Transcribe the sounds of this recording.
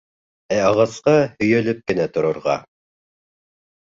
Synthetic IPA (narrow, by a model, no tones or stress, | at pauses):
æɑʁɑsqɑhɵ̆jælɘp̚kɘ̆næt̪ŏɾŏɾʁɑ